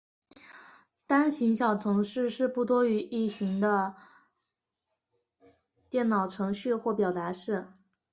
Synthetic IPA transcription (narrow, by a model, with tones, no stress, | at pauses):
t̪a˥nɕi˧˥ŋɕ̬jɑ˨˩ʊt͡sʰʊ˧˥ŋʂɻ̩˥˧ʂɻ̩˥˧pu˥˩t̪wɔ˥y˧˥ʔi˥˩t͡ɕʰi˧˥ŋd̪ə˧ | t̪jɛ˥˩nnɑ˨˩ʊʈ͡ʂʰɤ˧˥ŋɕy˥˧xwɔ˥˩pjɑ˨˩ʊt̪a˧˥ʂɻ̩˥˩